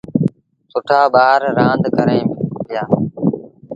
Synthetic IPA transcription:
sʊʈʰaːbaːɦəɾːãːnd̪ʱkəɾẽːmɪjaː

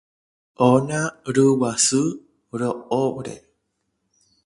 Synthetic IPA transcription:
ʔonaɾəwasɨ | ɾooɾḛ

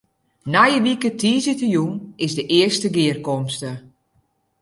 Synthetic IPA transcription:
najəʋikətʰiːzɪtəjunɪzdəʔɪəstəɡɪərkɔmstə

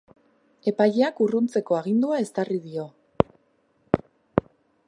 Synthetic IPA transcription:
e̞pajeakurunt͡se̞ko̞aɣ̞ind̪uae̞st̪ariðio̞

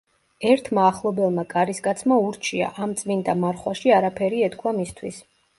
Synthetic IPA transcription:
ɛɾt̪ʰmaːχlˠɔbɛlˠmakʼaɾiskʼat̪sʰmauɾt͡ʃʰia̰ʔamt̪sʼmind̪amaɾχwaʃiaɾapʰɛɾiɛt̪kʰwamist̪ʰwis

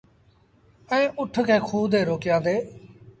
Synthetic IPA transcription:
ɛ̃ːʔʊʈʰkʰẽːkʰuːd̪ʱeːɾoːkɪjãːnd̪eː

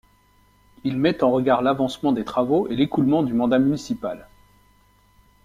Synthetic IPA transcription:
ilmɛt̪ɑ̃ʁəɡaʁlavɑ̃smɑ̃d̪et̪χavoelekulmɑ̃d̪ymɑ̃d̪amynisipa̰l

